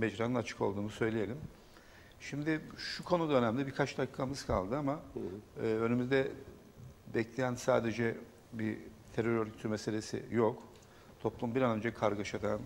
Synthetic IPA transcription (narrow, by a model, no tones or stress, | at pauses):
mɛd͡ʒɾanɯnat͡ʃʰɯ̥kʰo̞lˠd̪uːnusø̞jlʲije̞lʲim | ʃimd̪ɪʃukʰo̞nud̪aø̞næmʲibiɾkʰat͡ʃd̪akːamɯz̥kʰa̰lˠd̪ɯamaː | ø̞nymyzd̪ɛ | bɛclʲejænsaːd̪e̞d͡ʒɛ | bit̪ʰeɾøɾøɾɟyt̪ʰymese̞lʲe̞sḭjok | t̪ʰo̞plˠumbiɾanø̞nd͡ʒɛkʰaɾɡaʃad̪an